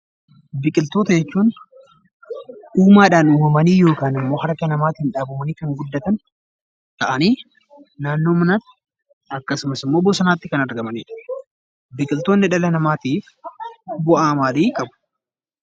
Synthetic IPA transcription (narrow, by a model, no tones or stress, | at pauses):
bɪkʼɪlt̪o̞ːt̪ɐd͡ʒɛt͡ʃːuːn | ʔuːmaːᶑaːnuːmɐmɐniːjo̞ːkaːnɪmːo̞ːhɐɾkɐnɐmaːt̪hɪnᶑaːbʊmɐniːkɐŋɡʊd̪ːɐt̪ɐn | t̪ɐʔɐniː | naːnːo̞ːmɪnaːt̪ːɪ̥ | ɐkːɐsʊmɐsɪmːoːbɔsɐnaːt̪ːɪkɐnɐɾɡɐmɐnḭːᶑɐ̥ | bɪkʼɪlt̪oːnːɪᶑɐlɐnɐmaːt̪iːf | bʊʔaːmaːd̪iːkʼɐbʊ̥